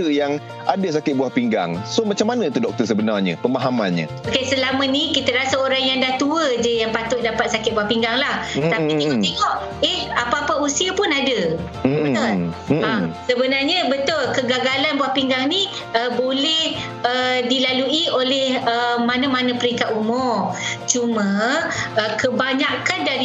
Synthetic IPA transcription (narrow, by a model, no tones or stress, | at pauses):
əjaŋ | ʔadas̬akɪt̪̚buahpiŋɡa̰ŋsomat͡ʃamːanə̃t̪udɔk̚t̪ərsəbənarɲə̰pəmaɦama̰nɲə̰ | okasəlamə̃nikit̪əɾasaoɾaŋjaŋdaht̪uəd͡ʒajaŋpat̪ʊʔ̪̚dapat̪̚sakɪt̪̚buahpiŋɡaŋlaht̪apit̪eɔʔt̪eŋɔʔ | ehapaːpausiapʊnadə | bət̪ʊlasəbənarɲəbət̪ʊlkəɡaɡalanbwahpiŋɡaŋni | əbolɛh | ədilaluiolɛhəmanamanapəɾiŋkat̪̚umʊrt͡ʃumãəkəbaɲakandaɾi